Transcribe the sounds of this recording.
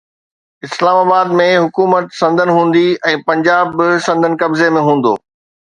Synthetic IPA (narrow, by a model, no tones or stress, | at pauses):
ɪslaːmaːbaːd̪mẽɦʊkuːmət̪sɐ̃nd̪ʱənɦũːn̆d̪iɛ̃ːpɐ̃ɲd͡ʑaːbɪsɐ̃nd̪ʱənɪ̆kɐbzemẽɦũːn̆d̪o̰ː